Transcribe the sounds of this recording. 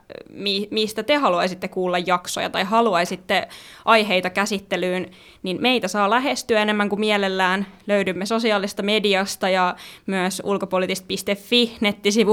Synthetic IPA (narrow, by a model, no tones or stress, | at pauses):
mimist̪æt̪ehɑluɑisit̪ːekuːlːɑjːɑksojɑ̰t̪ɑjɦɑluɑisit̪ːeʔɑjɦeit̪ɑkæsit̪ːelyːn | ninme̞it̪æsɑːlæɦest̪yæenemːæŋkumiɛlelːæːnløydymːeso̞siɑːlˑist̪ɑmediɑst̪ɑjɑmyəsṵlkopolit̪ist̪̚pist̪efːihnet̪ːisiʋu